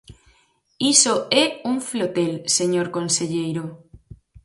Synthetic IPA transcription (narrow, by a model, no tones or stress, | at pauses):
isoɛuŋflot̪elseɲoɾkonseʎejɾo